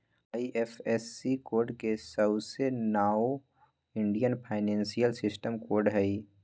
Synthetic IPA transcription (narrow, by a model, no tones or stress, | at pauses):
aːiʔefʰɛsːikoːɾɖkesəbsenaːo | ɪ̃ɳɖijənpʰaːɪnɛ̃ːnsijəlsɪsʈəmkoːɾɖɦɛi